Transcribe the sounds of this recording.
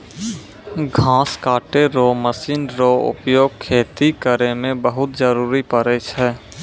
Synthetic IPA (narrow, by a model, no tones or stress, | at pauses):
ɡʱãːskaːʈeɾoməsiːnɾoʊ̰pjoːɡ̚kʰːeːt̪ikəɾemẽbəɦʊt̪d͡ʒəɾuːɾipəɾet͡ʃʰɛː